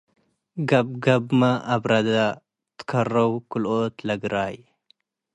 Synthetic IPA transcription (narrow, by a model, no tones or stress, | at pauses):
ɡɐb̚ɡɐbmɐʔaβɾɐd̪a | t̪ʰɨ̥kʰɐrːɐwkʰɨlot̪lɐɡɾaj